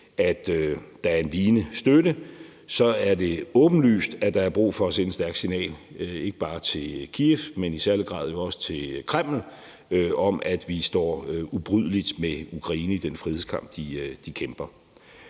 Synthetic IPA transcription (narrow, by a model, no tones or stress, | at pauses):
ʔæd̥d̥ɑ̈æɐe̝nʋiːnəsd̥ødə | sɒ̽æɐde̝ɔ̽ːb̥n̩ly̰ːsd̥æd̥ɑ̈æɐb̥ʁṵːfɒ̽sensd̥æɐɡ̥sinɛ̰ːle̝ɡ̥əb̥ɑ̈ːt͡sʰe̝lkʰiefmenisæɐləɡ̥ʁɑ̰̈ːðˠjo̝ɒ̽sə̥t͡sʰe̝lkʰʁɛm̰l̩ | øɒ̽mʔæd̥ʋisd̥ɒ̰ːub̥ʁyð̰ˠlid̥meukʰʁɑ̈iːnəid̥enfʁiðˠekʰɑ̈m̰b̥̚d̥id̥ikʰemb̥ɐ